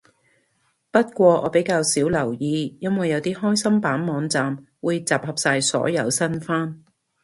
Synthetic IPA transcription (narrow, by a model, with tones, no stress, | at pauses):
pɐ˥t̚kʷɔː˧ʔɔː˨˧pe˨˥jkaː˧wsiː˨˥wlɐ˨˩wjiː˧jɐ˥nwɐ˨jːɐ˨˧wt̪iː˥hɔː˥jsɐ˥mpaː˨˥nmɔː˨˧ŋt͡saː˨m | wuː˨˧jt͡saː˨˩p̚hɐ˨˩p̚saː˧jsɔ̰ː˨˥jɐ˨˧wsɐ˥nfaː˥n